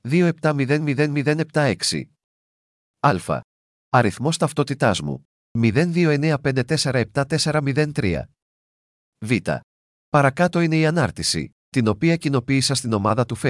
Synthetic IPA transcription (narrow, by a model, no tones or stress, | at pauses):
ðio̞e̞p̚t̪ɐmiðe̞nmiðe̞nmiðe̞ne̞p̚t̪ɐe̞ksḭ | ɐlfɐ̰ | ɐɾiθmo̞st̪ɐft̪o̞t̪it̪ɐzmṵ | miðe̞nðio̞e̞ne̞ɐpe̞nd̪e̞t̪e̞se̞ɾɐe̞p̚t̪ɐt̪e̞se̞ɾɐmiðe̞nt̪ɾiɐ̰ | vit̪ɐ̰ | pɐɾɐkɐt̪o̞ine̞iɐnɐɾt̪isḭ | t̪ino̞piɐcino̞piːsɐst̪ino̞mɐðɐt̪ufe